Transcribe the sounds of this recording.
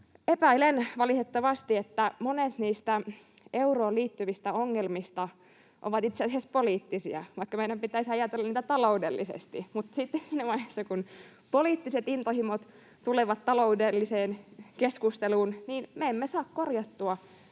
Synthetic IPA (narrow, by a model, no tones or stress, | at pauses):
epæilenʋɑlih̪et̪ːɑʋɑst̪iet̪ːæmonet̪niːst̪æ | ʔeuroːliːt̪ːyʋist̪æoŋːelmist̪ɑ | ʔo̰ʋɑt̪it̪seɑsiæspoliːt̪ːisḭɑ̰ʋɑikːɑmeidæmpit̪æisɑjɑt̪elːɑniːt̪æt̪ɑloudelːisḛst̪imut̪ːsit̪ːesiːnæmɑihesːɑkun | poliːt̪ːiset̪int̪ohimot̪ | t̪uleʋɑt̪t̪ɑloudelːiseːnkeskust̪eluːnniːnmeemːesɑːkkorjɑt̪ːuɑ